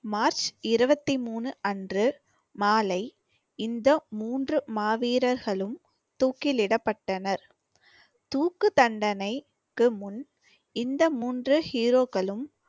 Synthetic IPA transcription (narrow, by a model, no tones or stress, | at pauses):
maːɾt͡ʃɪɾɯbɐt̪ːimuːnɯʔɐndrɯ | maːlɐɪ | ɪnd̪ɐmuːndrɯmaːʋiːɾɐɾɣɐɭɯm | t̪uːkːɪlɪɽɐpːɐʈːɐnɐɾ | t̪uːkːɯt̪ɐɳɖɐnɐɪ | kːɯmʊn | ɪnd̪ɐmuːndrɯhiːɾoːkɐɭɯm